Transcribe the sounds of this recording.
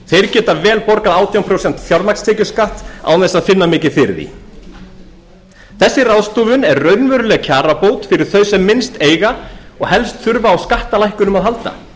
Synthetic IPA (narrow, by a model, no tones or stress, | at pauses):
θejɾcɛːt̪avɛːlpɔɾkaðaːwt̪ʰijawmpʰɾowsɛn̥t̪fjɔɾmakst̪ɛːcʏskaht̪a̰wnɛsaðfɪnːamɪːcɪfɪɾðḭ | θɛsːɪraðst̪oːvʏnɛɾrœɥnvʏɾʏlɛɣcʰaːɾapoːwt̪fɪɾɪɾ̥θœɥsɛmːɪnst̪eːjɣaɔɣhɛlst̪θʏɾvaːwskaht̪alajhkʏnʏmaðɦalt̪a̰